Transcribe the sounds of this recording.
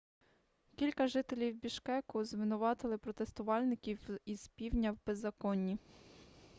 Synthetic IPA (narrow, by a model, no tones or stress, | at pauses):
kʲilʲkɐʒɪt̪elʲiwbʲiʃkɛkʊzʋɪnʊʋɑt̪ɪlˠɪpɾɔt̪est̪ʊʋɑlʲnɪkʲiwiz̥pʲiwnʲɐwbezːɐkɔnʲːi